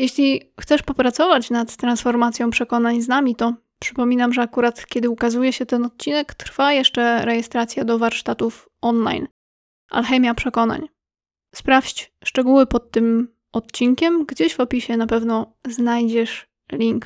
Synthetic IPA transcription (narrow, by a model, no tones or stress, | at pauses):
jeɕlʲixt̪ɛʂpɔpɾat̪sɔvat͡ɕnat̪t̪ːɾansfɔɾmat̪sʲjɔ̃w̃pʂɛkɔnaɲznamʲit̪ɔ | pʂɘ̥pɔmʲinamʐɛakuɾat̪kʲɛd̪ɘukazujɛɕɛt̪ɛnɔt̪̚t͡ɕinɛkt̪ɾfajɛʂt͡ʂɛɾɛjɛst̪ɾat̪sʲjad̪ɔvaɾʂt̪at̪uf | ɔnla̰jn | ʔa̰lxɛmʲjapʂɛkɔna̰ɲ | spɾafɕt͡ɕʂt͡ʂɛɡuwɘpɔt̪ːɘm | ɔt̪t͡ɕiŋkʲɛmɡd͡ʑeʑvɔpʲiɕɛnapɛvnɔznajd͡ʑɛʂ | lʲiŋk